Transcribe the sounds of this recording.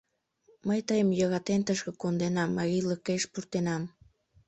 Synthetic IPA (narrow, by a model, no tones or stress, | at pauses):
məjt̪əjəmjɑɣɑt̪ent̪əʃkəkond̪enɑmːɑɣiləkeʃpurt̪enɑm